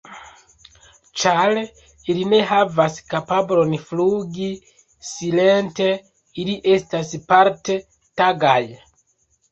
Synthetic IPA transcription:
t͡ʃaɾ | iline̞ɦavaskapablo̞nfluɡi | sile̞nte̞ | iliʔe̞staspaɾte̞ | taɡaj

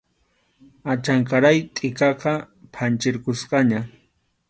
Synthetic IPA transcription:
at͡ʃaŋkaɾajt̪ʼɪkɑqɑ | pʰant͡ʃɪɾkʊsqɑɲa

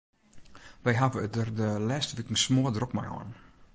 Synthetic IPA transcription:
ʋɛjɦavəədərdəlɛstʋikəŋ̩smoədrokma̰jɔ̰ːn

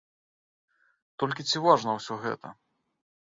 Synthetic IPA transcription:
t̪ɔlʲkʲit͡sʲivaʐnɐwsʲɔɣɛ̰t̪ɐ̰

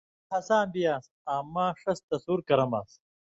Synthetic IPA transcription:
hɐsãːmbijaːs | aːmːaːʂɐst̪ɐsuːɾkɐɾɐma̰ːs

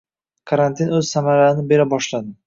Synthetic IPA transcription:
kʰaɾant̪ʰinɵzsamaɾanɪbe̞ɾabɒʃlad̪ɪ

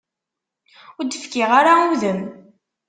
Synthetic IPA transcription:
ʊɾd̪əfkɪʁaɾauðəm

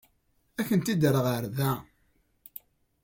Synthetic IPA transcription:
æçənt̪id̪əɾəʁəɾðæ

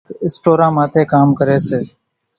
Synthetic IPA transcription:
ɪsʈoːɾãːmaːt̪ʰeːkaːmkəɾeːseː

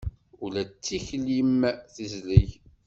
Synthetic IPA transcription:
ʊlæt͡sːiçlimθizlij

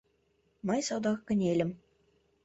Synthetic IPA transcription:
mɑjʲsɑd̪ɑkːɘ̆nʲelʲɘ̆m

